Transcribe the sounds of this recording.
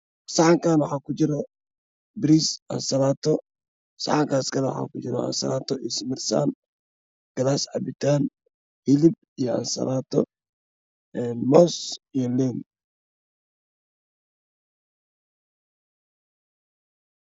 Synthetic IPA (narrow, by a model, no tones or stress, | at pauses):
sɑʕaŋkaːnwɑħaːkʊd͡ʒɪɾɔ | bɪɾisɐ̰nsɐlaːt̪ʰɔ | sa̰ʕaŋkaːskʰɐlɛw̰ħa̰ːkʊd͡ʒɪɾɔ̰ɐ̰nsɐ̰lat̪ʰɔʔɪsmɪrsa̰n | ɡ̥ɐlasʕabɪt̪an | hilɪb̚ | ijɔɐ̰nsɐ̰laːt̪ʰɔ̰ | ɛnmɔsijɔlɛn